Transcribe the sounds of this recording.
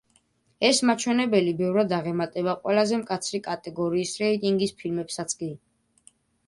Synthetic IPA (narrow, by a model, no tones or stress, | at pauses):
ɛsmat͡ʃʰwɛnɛbɛlibɛvɾad̪aʁɛmat̪ʼɛbaqʼwɛlazɛmkʼat̪sʰɾikʼat̪ʼɛɡɔɾiːsɾɛit̪ʼiŋɡispʰilmɛpsat̪sʰkʼi